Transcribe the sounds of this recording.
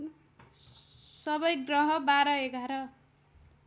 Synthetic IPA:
sʌbʌjɡrʌɦʌbaɾʌeɡʱaɾʌ

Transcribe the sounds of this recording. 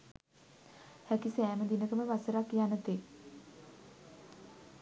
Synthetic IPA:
hækisæːməd̪inəkəməʋasəɾakːjanət̪e

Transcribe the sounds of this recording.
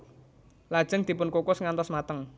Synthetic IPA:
lad̥ʒ̥əŋd̪̥i̤pʊnkokʊsŋant̪ɔsmat̪əŋ

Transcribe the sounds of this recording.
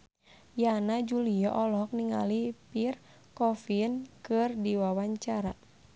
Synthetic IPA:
janad͡ʒuliaʔɔlɔk̚niŋa̰lipir | kɔfinkɨrdiwawaɲt͡ʃaɾa

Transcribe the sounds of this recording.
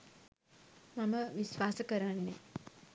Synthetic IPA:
maməʋisʋaːsəkəɾanːḛ

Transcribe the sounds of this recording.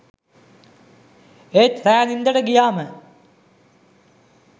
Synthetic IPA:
et̪ɾæːnind̪əʈəɡijaːmə

